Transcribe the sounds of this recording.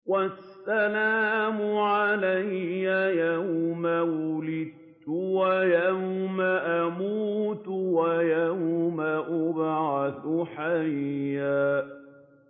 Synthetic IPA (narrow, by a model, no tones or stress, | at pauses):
wasːalaːmʊʕalajːajawmawʊlɪd̪̚ | ʊwajawmaʔamuːt̪ʊwajawmaʔʊbʕaθʊħajjːaː